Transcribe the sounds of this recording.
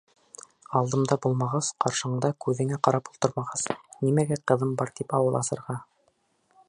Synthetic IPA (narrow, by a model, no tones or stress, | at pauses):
ɑlˠd̪ɤ̆md̪ɑbulˠmɑʁɑsqɑɾʃɤ̆ɤɴd̪ɑkʉðɘ̆ŋæqɑɾɑpulˠt̪ɤ̆ɾmɑʁɑznimæɡæqɤ̆ðɤmbɑɾt̪ipɑwɤ̆lˠɑsɤ̆ɾʁɑ